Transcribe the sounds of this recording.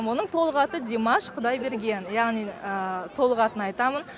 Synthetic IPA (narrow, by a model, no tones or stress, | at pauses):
wo̞nəɴt̪ʰo̞lˠəʁɑt̪əd̪ʲemɑʃqʰəd̪ɑjbe̞ɾɡʲe̞njɑʁnijət̪ʰo̞lˠəʁɑt̪ənɑjt̪ɑmən